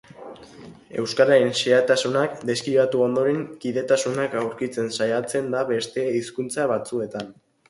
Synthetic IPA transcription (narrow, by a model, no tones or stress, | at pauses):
e̞̰wskaɾaɾenseat̪asunakd̪eskiβat̪uo̞nd̪o̞ɾe̞ŋkiðe̞t̪asunakawɾkit͡se̞nsajat͡se̞nd̪aβe̞st̪e̞iskunt͡saβat͡sue̞t̪an